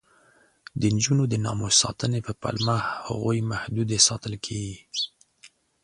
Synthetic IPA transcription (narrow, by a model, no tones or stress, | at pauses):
d̪ənd͡ʒunod̪ənɑ̰mosɑt̪ənepəpa̰lmahha̰ɣojmahd̪ud̪esɑt̪əlkʰeɡi